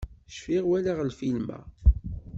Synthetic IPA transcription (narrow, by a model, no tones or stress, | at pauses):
ʃfiʁwælaʁlfilmæ̰